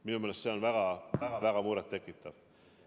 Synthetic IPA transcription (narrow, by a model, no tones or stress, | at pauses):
minumelːest̪seonvæɡ̥ɑvæɡ̥ɑvæɡ̥ɑmuɾet̪ːe̞kːit̪ːɑv